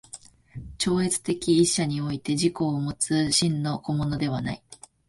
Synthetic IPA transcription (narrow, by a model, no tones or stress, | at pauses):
t͡ɕo̞ːe̞t͡sɨ̥t̪e̞kʲiːɕːaɲ̟io̞it̪e̞ʑiko̞ːmo̞t͡sɨɕĩnːo̞ko̞mo̞no̞d̪e̞β̞ana̰i